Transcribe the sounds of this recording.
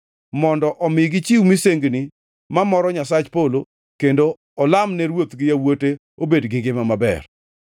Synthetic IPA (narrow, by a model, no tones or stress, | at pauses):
mɔndɔʔɔmɪɡɪt͡ʃiwmiseŋɡni | mamɔɾɔɲasat͡ʃpolo | kendo | ɔlamnɛɾwot̪ɡɪjawote | obedɡɪɡɪmamabɛ̰r